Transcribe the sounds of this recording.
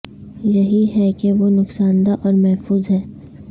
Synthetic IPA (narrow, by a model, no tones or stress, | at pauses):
jɐɦiɦɛkeʋonʊksaːnd̪aʔɔːɾmɛɦfuːzɦɛː